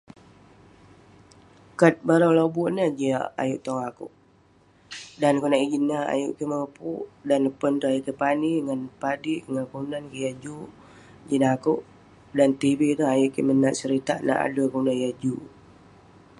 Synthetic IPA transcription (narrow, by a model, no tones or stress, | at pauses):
kat̪̚baɾalobuʔnəhd͡ʒiaa̰jʊʔt̪ɔŋakṵʔ | dankonaʔid͡ʒinːaa̰jṵʔkiməpṵʔdanəpənt̪uajuʔkipaniŋanpadiʔŋankəundankijad͡ʒu | d͡ʒinakuʔ | dant̪ibit̪əɦajʊʔkimənaʔsəɾit̪aʔna̰ʔa̰dukəundanjad͡ʒu